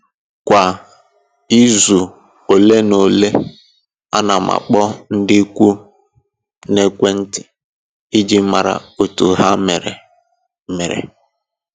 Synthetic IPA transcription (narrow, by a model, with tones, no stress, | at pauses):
kʷa˨ | i˦zu˨ | o˨le˦no˨le˦ | a̰˦na˨ma̰˨k͡pɔ˦n̩˦dɪ˦kʷu˦ | ne˦kʷe˦n̩˦tɪ˨ | i˦d͡ʒi˦m̩˦ma̰˨ɾa̰˨o˨tu˨ɦa˦me˨ɾḛ˨ | me˨ɾḛ˨